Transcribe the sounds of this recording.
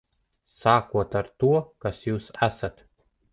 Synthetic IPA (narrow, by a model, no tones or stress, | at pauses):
saːkuɔt̪aɾt̪uɔkasjuːsæsat̪